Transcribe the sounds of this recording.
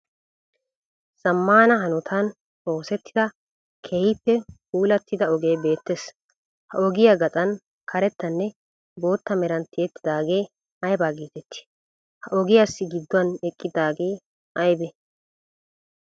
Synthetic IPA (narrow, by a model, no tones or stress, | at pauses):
z̥ɐmːaːnɐɦɐnʊt̪ʰɐn | o̞ːsɛt̪ːɪd̪ɐ | kʰɛhɪpːɛkuːlɐt̪ːɪd̪ɐɔɡe̞ːbe̞ːt̪ːeːs | hɐʔɔɡɪjaɡɐt̪ʼɐn | kʰɐɾɛt̪ːɐnːɛ | bo̞ːt̪ːɐmɛɾɐnt̪ɪjɛt̪ːɪd̪aːɡe̞ː | ɐjbaːɡiːt̪ɛt̪ːɪ̥ | hɐʔɔɡɪjasːɪɡɪd̪ːʊɐnɛkʼːɪd̪aːɡeː | ɐjbɛ